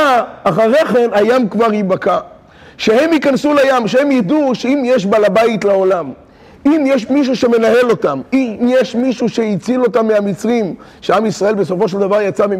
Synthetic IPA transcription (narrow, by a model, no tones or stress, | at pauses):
aχaʁeχe̞najamkvaʁibaka | ʃehe̞mhikansulajamʃehemjad̪uʃeimjeʃ̬balabait̪lao̞lam | imjeʃmiʃ̬uʃe̞me̞nahe̞lo̞tamimjeʃmiʃuʃe̞it͡silo̞tamːeamit͡sʁim | ʃeamisʁae̞lbeso̞fo̞ʃ̬eld̪avaʁjat͡sami